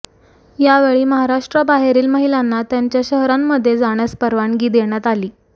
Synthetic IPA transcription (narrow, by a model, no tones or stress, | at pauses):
jaʋeɭiːməɦaɾaʂʈɾəbaɦeɾiːlməɦilanːat̪jaɲt͡ɕjaɕəɦɾamːəd̪ʱːjed͡zaɽ̃əspəɾʋaɳɡiːd̪eɽ̃jat̪aliː